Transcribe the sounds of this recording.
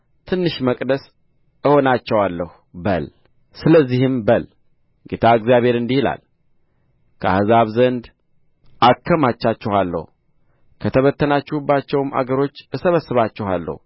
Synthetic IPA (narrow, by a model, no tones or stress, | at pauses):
t̪ʰɨnːɨʃməkʼd̪əs | ɨho̞nat͡ʃːɛwalːəh | bə̰l | sɨləzːihɨmbəl | ɡet̪ʰaɨkzijaβhe̞ɾɨnd̪ihila̰l | kʰəa̰hzaβzənd̪ | ʔakʰːəmat͡ʃːat͡ʃːɛhalːə̰h | kʰət̪ʰəβət̪ʰːənat͡ʃːɛhubːat͡ʃːɛwɨma̰ɡəɾo̞t͡ʃːɨsəβəsːɨβat͡ʃːɛha̰lːə̰h